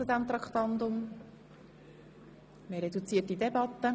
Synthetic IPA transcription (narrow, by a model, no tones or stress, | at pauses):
t͡sud̪æmt̪ɾɑkχt̪ɑnd̪ʊm | meɾedut͡siːətidɛbɑt̪ːə